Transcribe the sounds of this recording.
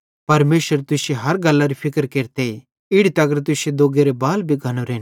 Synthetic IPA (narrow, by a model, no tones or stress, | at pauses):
pɐɾmeːʃəɾt̪ʊseɦɐɾɡɐlːaɾipʰɪkəɾkeːɾt̪ei | ɪɽit̪ɐɡəɾt̪̬ʊsed̪oːɡeɾebaːlbʱiɡʱɐñoɾeːn